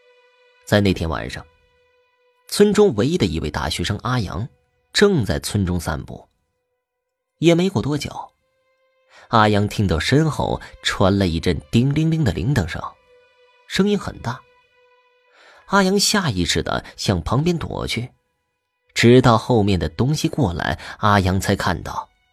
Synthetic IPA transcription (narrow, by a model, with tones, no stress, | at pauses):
t͡sa˥ɪne˥˩ɪt̪ʰjɛ˥nwa̰˨˩nʂɑ̰˥˩ŋ | t͡sʰwə˥nʈ͡ʂʊ˥ŋwe˧˥ɪi˥d̪ə˨i˧wḛ˥˧ɪt̪a̰˥˩ɕɥɛ˧˥ʂɤ˥ŋʔa˥jɑ̰˧˥ŋ | ʈ͡ʂɤ˥˧ŋt͡sa˥˩ɪt͡sʰwə˥nʈ͡ʂʊ˥ŋsa̰˥˧npṵ˥˩ | jɛ˨˩me˧˥ɪko˨˩ʊt̪wɔ˥t͡ɕjɑ̰˨˩˦ʊ | a˥jɑ˧˥ŋt̪ʰi˥ŋt̪ɑ˥˩ʊʂə˥nxo̰˥˩ʊʈ͡ʂʰwa˧˥nlə˧i˥˩ʈ͡ʂə˥˩nt̪i˥ŋli˥ŋli˥ŋd̪ə˨lʔḭ˧˥ŋt̪ɤ˨˩ŋʂɑ̰˥˩ŋ | ʂɤ˥ŋi˥nxə̰˨˩nt̪a˥˩ | a˥jɑ˧˥ŋɕja˥˧i˥˧ʂɻ̩˥˩d̪ə̰˨˩ɕjɑ˥˩ŋpʰɑ˧˥ŋpjɛ˥nt̪wɔ̰˨˩t͡ɕʰy˥˩ | ʈ͡ʂɻ̩˧˥t̪ɑ˥˧ʊxo˥˧ʊmjɛ˥˩nd̪ə˩t̪ʊ˥ŋɕi˨˧kwɔ˥˩la̰˧˥ɪa˥jɑ˧˥ŋt͡sʰa˧˥ɪkʰa˥˧nt̪ɑ̰˥˩ʊ